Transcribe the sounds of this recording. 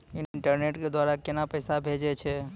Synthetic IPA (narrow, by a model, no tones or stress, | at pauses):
inɳʈəɾneʈked̪waɾakenapəɪsabʱed͡ʒɛt͡ʃʰɛ